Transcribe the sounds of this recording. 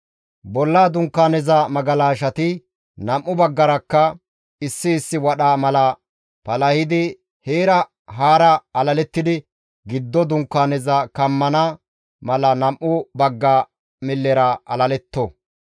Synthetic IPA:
bɔlːaːd̪ʊŋkːaːnɛzɐmɐɡɐlaːʃɐt̪ɪ | nɐmʔːʊbɐɡːɐɾɐkːɐ | ɪsːɪːsːɪwɐɗaːmɐlɐ | pɐlɐhɪd̪ɪ | heːɾɐ | ɦaːɾɐɐlɐlɛt̪ːɪd̪ɪ | ɡɪd̪ːɔd̪ʊŋkːaːnɛzɐkɐmːɐnɐ | mɐlɐnɐmʔʊbɐɡːa | mɪlːɛɾɐɐlɐlɛt̪ːɔ

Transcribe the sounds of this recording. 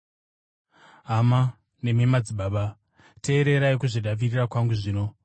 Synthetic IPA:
ɦama | ne̞memad͡ziɓaːɓa | te̞ːɾe̞ɾaikuʐiɗaʋirirakwaŋɡuʐiːno̞

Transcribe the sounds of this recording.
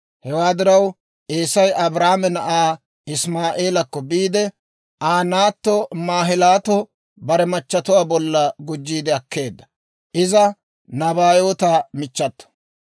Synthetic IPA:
hɛwaːd̪ɪɾɐw | ʔeːsɐjɐbɾaːmɛnɐʔaː | ɪsmaːʔe̞ːlɐkːɔbiːd̪ɛ | ʔaːnaːt̪ːɔmaːɦɪlaːt̪ɔ | bɐɾɛmɐt͡ʃːɐt̪ʊwaːbɔlːɐɡʊd͡ʒːiːd̪ɛɐkːe̞ːd̪ːɐ̥ | ʔɪzɐ | nɐbaːjo̞ːt̪aːmɪt͡ʃːɐt̪ːɔ̥

